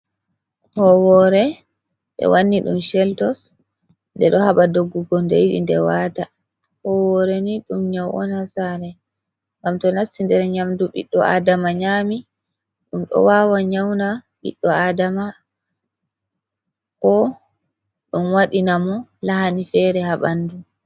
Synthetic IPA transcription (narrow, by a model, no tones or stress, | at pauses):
hɔwɔɾɛ | ɓɛ̰wanːiɗṵmʃɛltɔs | ndɛɗɔhaɓadoɡːuɡɔndejiɗḭndɛwaːta | hɔwɔɾɛniɗumɲawʔɔ̰nhasaɾɛ | ŋɡamtɔnasːindɛɾɲamduɓḭɗːɔa̰damaɲaːmi | ɗumɗɔ̰waːwaɲawna | ɓḭɗːɔadama | kɔ | ɗumwaɗinamɔlaɦanifɛɾɛhaɓanːdu